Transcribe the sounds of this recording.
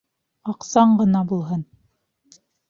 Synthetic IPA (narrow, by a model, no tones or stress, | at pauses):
ɑqsɑɴɢɤ̆nɑbulˠɦɤn